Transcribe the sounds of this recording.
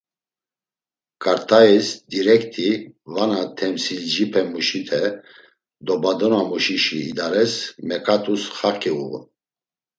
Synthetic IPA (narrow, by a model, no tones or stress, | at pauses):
kʼaɾt̪ʰaisd̪iɾɛkt̪ʰʼivanat̪ʰɛmsild͡ʒipʰɛmuʃit̪ʰɛ | d̪ɔbad̪ɔnamuʃiʃiːd̪aɾɛsmɛkʼat̪ʼusχakʰʼiṵɣ